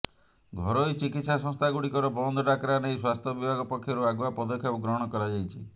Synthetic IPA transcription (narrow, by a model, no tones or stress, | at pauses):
ɡʱɔɾojt͡ʃikit̪sasɔ̃ŋst̪ʰaɡuɽikɔɾɔbɔnd̪ʱɔɖakɾanejswast̪ʰjɔbibʱaɡɔpɔkʰːjɔɾuaɡuapɔd̪ɔkʰːjɔpuɡɾɔɦɔɽ̃ɔkɔɾad͡ʒajt͡ʃʰi